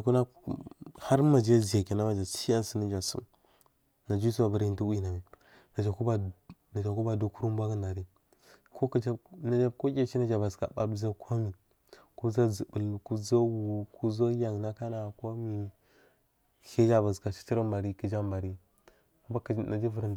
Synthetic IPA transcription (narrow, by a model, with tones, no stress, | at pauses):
a˨ku˦na˦ | ha˦ɾma˨d͡ʒa˦zi˨ja˨ke˨na˦ma˨d͡ʒa˨si˦a˦nsə˦nə˦d͡ʒa˨sṵ˦m | na˨d͡ʒs̬u˦ba˨ba˦ɾi˦ntu˦wi˦na˨mi˨ | na˨d͡ʒa˨ku˦ba˨na˨d͡ʒa˨ku˦ba˨du˦ku˦ɾu˦m˦bʷa˦kə˦nda˨ɾi˦ | ko˦kə˦d͡ʒa˦na˨d͡ʒa˦ko˦kʲe˦t͡ʃi˦na˦d͡ʒa˨ba˨zka̰˨ɓa̰˦bza˦kʰʷo˦mi˨ | ko˦za˦zi˨bə˨lku˦za˦wu˨ku˦za˦ja˨ŋna˦ka˦na˨ko˦mi˨ | he˦d͡ʒa˦ba˨zka˨t͡ʃi̥˦ti˦ɾə˦mba˨ɾi˦kə˨d͡ʒa˦mba˨ɾi˦˨˦ | ba˦kna˨d͡ʒi˦və˦ɾnd